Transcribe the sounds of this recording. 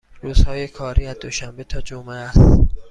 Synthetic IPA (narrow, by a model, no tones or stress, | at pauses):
ɾuːz̥hɒːjekʰɒːɾʔiːæzd̪oʃæmbet̪ʰɒːd͡ʒomeæst̪